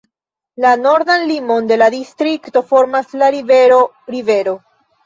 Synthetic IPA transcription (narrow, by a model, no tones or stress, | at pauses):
lano̞ɾd̪anlimo̞nde̞ladistɾikto̞fo̞ɾmaslaɾiveo | ɾive̞ɾo̞